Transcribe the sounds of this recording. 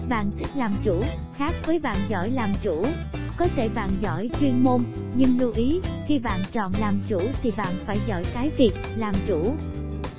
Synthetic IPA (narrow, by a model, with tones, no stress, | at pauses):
ɓa̰ː˧˨nt̪ʰï˦˥k̚laː˨˩mt͡ɕu˧˩ | xaː˦˥k̚vəː˨˦jɓa̰ː˧˨nzɔ̰˧˩jlaː˨˩mt͡ɕu˧˩ | kɔ˨˦t̪ʰe˧˩ɓa̰ː˧˨nzɔ̰˧˩jt͡ɕwi˧ənmo˧n | ɲɨ˧ŋlu˧ʔi˨˦xi˧ɓa̰ː˧˨nt͡ɕɔ̰˧˨nlaː˨˩mt͡ɕu˧˩t̪ʰi˨˩ɓa̰ː˧˨nfaː˧˩jzɔ̰˧˩˨jkaː˨˦jvi˨˩ək̚laː˨˩mt͡ɕu˧˩